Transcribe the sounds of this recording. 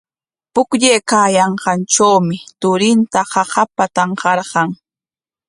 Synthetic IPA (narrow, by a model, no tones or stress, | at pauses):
pʊkʎejkaːjɑɴqɑnʈ͡ʂawmɪt̪ʊɾɪnt̪ahɑhapat̪ɑɴqɑɾɢɑŋ